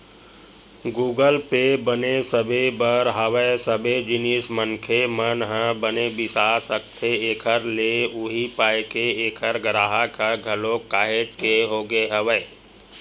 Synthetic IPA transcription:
ɡuːɡəlpebənesəbebəɾɦəʋəesəbed͡ʒɪnismənkʰemənɦə̃bənebɪsaːsəkt̪ʰeeːkʰəɾleuɦipaːjkeeːkʰəɾɡɾaːɦakʰaɡʱəlokaːɦed͡ʒkeɦoːɡeɦəʋəe

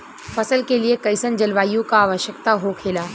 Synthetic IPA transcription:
fɐsəlkeliekɐɪsənd͡ʒɐlʋaːijõkaaːʋəʃjəkt̪aɦokʰeːlaː

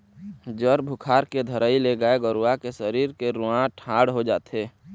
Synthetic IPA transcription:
d͡ʒəɾbʱʊkʰaːɾked̪ʱəɾəileɡəeɡəɾuakesəɾiːɾkeɾʊãʈʰãːɽɦod͡ʒaːt̪eː

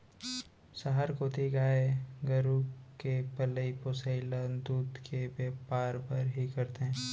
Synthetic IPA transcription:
səɦəɾkoːt̪iɡaːeɡəɾukepɐləiposəɪlãd̪uːd̪kebeːpaːɾpɐɾɦikɐɾt̪eɦɛ̃ː

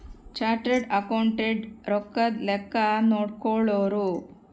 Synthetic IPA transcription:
t͡ʃaːɾʈɾeɖɐkɐwɳʈeɖɾɔkːɐd̪lɛkːɐnoːɽkɔɭoːɾu

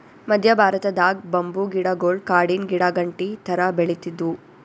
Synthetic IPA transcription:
mɐd̪ʱjɐbʱaːɾɐt̪ɐd̪aːɡ̚bɐmbuɡiɽaɡoːɭkaːɖinɡiɽaɡɐɳʈit̪ʰɐɾɐbeɭit̪id̪u

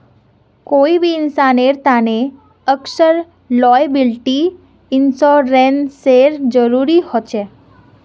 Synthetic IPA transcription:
koːibʱiɪnsaːneɾt̪ane | əksəɾ | lɔːjbɪlʈi | ɪnsɔɾenseɾd͡ʒəɾuːɾihɔt͡ʃe

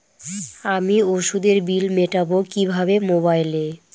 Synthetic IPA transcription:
amioʃud̪eɾbilmeʈabokibʱabemobajle

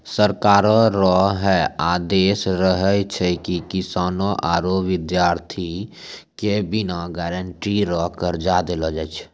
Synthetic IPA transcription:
səɾkaːɾoɾɔːɦɦɛaːd̪eːsɾəɦət͡ʃʰɛkikɪsaːnoʔaːɾoʋɪd̪jaːɾt̪ʰikebɪnaɡɛːɾəɳʈiɾɔːɦkəɾd͡ʒad̪elod͡ʒaːt͡ʃʰ

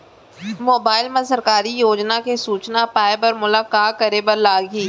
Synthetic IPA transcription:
moːbaːɪlmɐ̃sɐɾkaːɾijoːd͡ʒnakesuːt͡ʃnapaːɪbɐɾmʊlaːkaːkɐɾebɐɾlaːɡɦiː

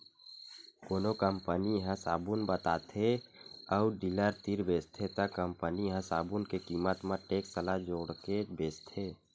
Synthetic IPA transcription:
koːnokəmpəniɦə̃saːbunbət̪a̰ːt̪ʰeəʊɖiləɾt̪iɾbeːst̪ʰet̪əkːəmpəniɦə̃saːbunkekiːmət̪mə̃ʈeːksəlad͡ʒoːɽkebeːst̪ʰeː

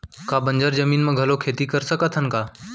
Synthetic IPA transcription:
kaːbəɲd͡ʒəɾd͡ʒəmiːnmẽɡʱɐlokʰeːt̪ikəɾsəkət̪ʰənkaː

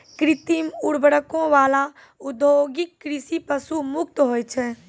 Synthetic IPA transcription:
kɾit̪imuɽbəɽəkõʋala | ud̪ʱoɡikːɾisipəsumuk̚t̪ɦojt͡ʃʰɛ

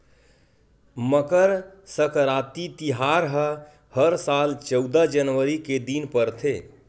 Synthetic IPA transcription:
məkəɾsəkɾat̪it̪iɦaɾɦə | həɾsalt͡ʃəʊd̪əd͡ʒənʋəɾiked̪inpəɾt̪ʰe

